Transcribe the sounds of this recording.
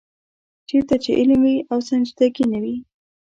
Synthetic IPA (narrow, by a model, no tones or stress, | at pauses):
t͡ʃeɾt̪at͡ʃeʔɪlmwiawsand͡ʒd̪aɡinawi